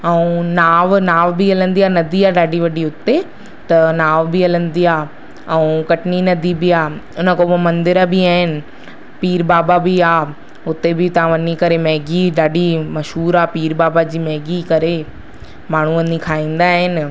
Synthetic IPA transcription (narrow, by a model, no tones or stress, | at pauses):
ɛũnaːʋnaːʋbiɐlə̃nd̪iaːnɐd̪ʱiaːɗaːɖiʋɐɖiʊt̪e | t̪ɐnaːʋbɪɐlə̃nd̪iaː | ɛ̃ũkɐʈɪninɐd̪ʱibɪaːʊnə̆kobmɐ̃nd̪ɪɾəbiaːɦɪnɪ̆ | piːɾbaːbabɪaː | ʊt̪ebɪt̪ɐʋ̤ãʋɐnikɐɾemɛɦɡiɗaːɖimɐʃɦuːɾaːpiːɾbaːbad͡ʑiːmɛɦɡikɐɾe | maːɳ̤uʋɐnikʰaːĩːnd̪aːɦɪnɪ̆